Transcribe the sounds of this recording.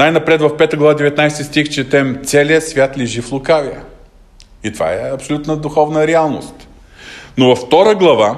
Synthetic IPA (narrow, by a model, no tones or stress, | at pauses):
najnɐpɾɛt̪vɐfpɛt̪əɡlˠɐvad̪ɛvɛt̪najsɛt̪ʲist̪ixt͡ʃɛt̪ɛmt̪sɛliəsvʲjat̪lʲɛʒiflˠʊkavʲiə̰ | it̪ova̰ɛɐpsolʲut̪nəd̪ʊxɔvnəɾɛalˠno̰st̪ | novɐfːt̪ɔɾəɡlˠɐva